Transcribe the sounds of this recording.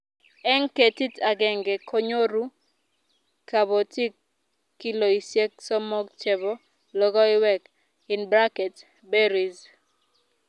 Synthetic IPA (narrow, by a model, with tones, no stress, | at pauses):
ɛ˦ŋke˨ti˦ta˨ɡɛ˨ŋɡɛ˨kʰo˦ɲo˦ɾu˦ | ka˨bo˨ti˦kː | i˦lo˨i˨sje˦k̚sɔ˦mɔ˦ɡ̚t͡ʃɛ˨bɔ˦ | lɔ˦ɡɔ˦ɪ˦wɛ˦k | ɪ˨nbɾa˦kɛ˨t | bɛ˦ɾi˨z